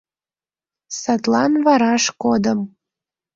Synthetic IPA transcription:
sɑt̪lɑnvɑɾɑʃkod̪əm

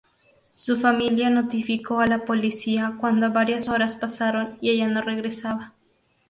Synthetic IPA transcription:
sufamiljanot̪ifikoalapolisiakwand̪oβaɾjasoɾaspasaɾonieʝanoreɣɾesaβa

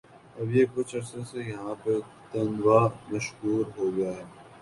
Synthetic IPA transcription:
ɐbjeːkʊt͡ʃʰɐɾsesejɐɦãpɐ | t̪ɐnʋaːmɐʃɦuːɾɦoːɡɐjaːɦɛː

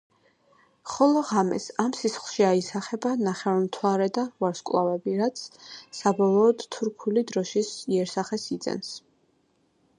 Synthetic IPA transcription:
χɔlˠɔʁamɛ̰samsisχlˠʃiaisaχɛbanaχɛvamt̪ʰwaɾɛd̪avaɾskʼlˠavɛbiɾat̪sʰsabɔlˠɔːd̪t̪ʰːuɾkʰulid̪ɾɔʃisiɛɾsaχɛsid̪zɛ̰ns

